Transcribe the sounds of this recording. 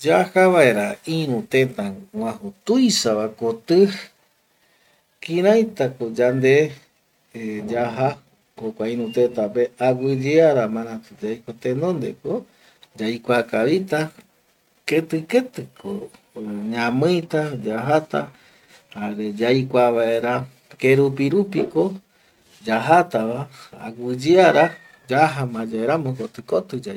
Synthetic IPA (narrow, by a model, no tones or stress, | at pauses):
d͡ʒahaβaeɾaĩɾ̃ũt̪ẽnt̪ãwʷãhut̪ujsaβakot̪ɨ | kĩɾajt̪akod͡ʒand̪e | d͡ʒaɦa | hokʷaĩɾũt̪et̪apeaɡʷɨd͡ʒeaɾamãɾ̃ãt̪ud͡ʒajkot̪ẽnõnd̪eko | d͡ʒajkʷakaβit̪a | ket̪ɨket̪ɨkʰo | ɲãmɨ̃jt̪ad͡ʒaɦat̪a̰ | aɾed͡ʒajkʷaβaeɾa | keɾupiɾupiko̞ | d͡ʒaɦat̪aβaa̰ɡʷɨd͡ʒiaɾa | d͡ʒaɦamãd͡ʒaeɾamokot̪ɨkot̪ɨd͡ʒa